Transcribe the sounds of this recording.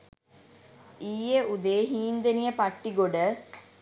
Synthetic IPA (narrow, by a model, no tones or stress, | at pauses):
iːjeud̪eːɦiːnd̪enijəpaʈːiɡoɖə